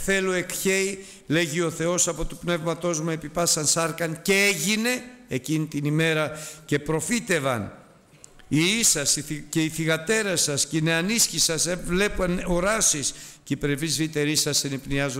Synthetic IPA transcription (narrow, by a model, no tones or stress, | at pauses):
θe̞loe̞kçe̞i | le̞ʝio̞θe̞o̞sɐpo̞t̪u̥pne̞vmɐt̪o̞zmuepipɐsɐnsɐɾkɐnce̞eʝine̞ecinit̪inime̞ɾɐce̞pɾo̞fit̪e̞vɐn | iisɐsiice̞iθiɣɐt̪e̞ɾɐsɐscineɐnisçisɐsevle̞pnoɾɐsisceipɾevizvit̪e̞ɾisɐsenipniɐzo